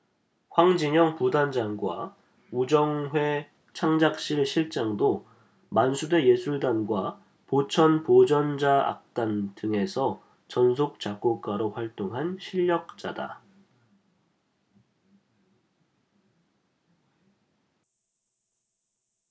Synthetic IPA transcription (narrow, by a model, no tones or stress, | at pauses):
ɸwaŋd͡ʑiɲʌŋpudand͡ʑanɡwa̰ | ud͡ʑʌŋɦwe̞ | t͡ɕʰaŋd͡ʑak̚ɕ͈iɭɕʰiɭt͡ɕ͈aŋdo | mansʰude̞je̞sʰuɭdanɡwa | pot͡ɕʰʌnpod͡ʑʌnd͡ʑaa̰k̚t͈andɯŋe̞sʰʌ | t͡ɕʌns̬ʰok̚t͡ɕ͈ak͈ok͈aɾoɸwaɭt͈oŋɦanɕʰiʎːʌk̚t͡ɕ͈a̰da̰